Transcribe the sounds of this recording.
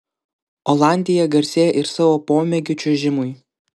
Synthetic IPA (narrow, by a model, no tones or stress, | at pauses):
ɔlˠɑˑnʲd̪ʲɪjɛɡɐɾʲsʲeːjɛʔɪɾsɑːʋoːpoːmʲɛɡʲʊt͡ʃʲuʒʲɪmʊɪ